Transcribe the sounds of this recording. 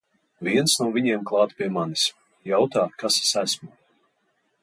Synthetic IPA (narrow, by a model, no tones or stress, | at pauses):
viɛnsnuɔviɲɛmklˠɑːt̪pʲiɛmanis | jawt̪aːkase̥sæsmu